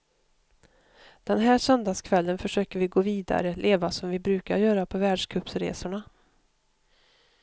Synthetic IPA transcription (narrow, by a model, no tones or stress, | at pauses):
d̪̥ɛnɦæːsœnd̪askʰvɛlːənfœʂøːkəɾvɪɡoːviːd̪a̰ɾəlʔeːvasɔmvɪbɾʉ̟ːkaɾjœːɾapʰɔvæːɖʂkʰɵpsɾḛːsʊɳa